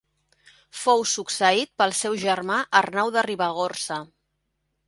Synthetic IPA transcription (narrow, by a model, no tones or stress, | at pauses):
fowsuksəit̪̚pəlˠsɛwʒərmaʔərnawðəriβəɣorsə